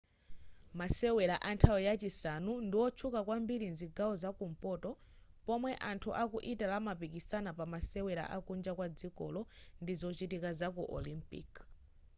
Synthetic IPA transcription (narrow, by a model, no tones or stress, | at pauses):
masɛwɛɾaʔantʰawɔjat͡ʃisanundiwɔt͡ʃʰukakwambiɾinziɡawɔzakumpɔtɔ | pɔmwɛʔantʰuʔakuʔitalamapikisanapamasɛwɛɾa̰ʔakund͡ʒakwad͡zikɔ̰lɔndizɔt͡ʃitikazakuʔɔlimpḭk